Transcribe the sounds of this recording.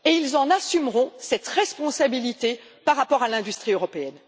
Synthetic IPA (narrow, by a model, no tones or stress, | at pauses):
eilzɑ̃nasymʁɔ̃sɛt̪ʁɛspɔ̃sabilit̪e | paʁːapɔʁalɛ̃d̪yst̪χiøʁɔpeɛn